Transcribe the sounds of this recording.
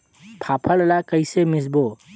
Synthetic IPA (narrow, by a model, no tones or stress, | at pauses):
p̪ʰapʰəllakəɪsemɪsbo